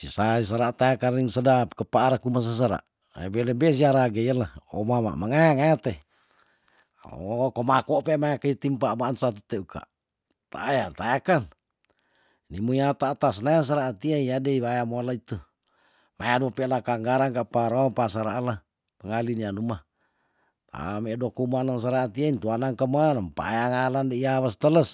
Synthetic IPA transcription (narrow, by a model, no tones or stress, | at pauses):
sisais̬aɾaʔt̪ajakaniŋsədapkəpaːɾakumas̬as̬aɾa̰ | a̰bɛlɛbɛs̬iaɾaɡeialao̰mama̰maŋajaŋajat̪e | komakɔpemajakait̪impaʔmaːnsat̪ət̪eukʰa̰ʔ | t̪a̰ʔːjat̪ajakan | nimuiat̪aːt̪asnajaŋs̬aɾaːt̪iaijadeiβajamolait̪u | majaduapɛlakaŋɡaɾaŋkapaɾoampasaɾaʔːla | pəŋalinianuma | t̪a̰medokumanaŋs̬aɾaːt̪iaint̪uanaŋkəmanampa̰jaŋalandeiaβəst̪ələs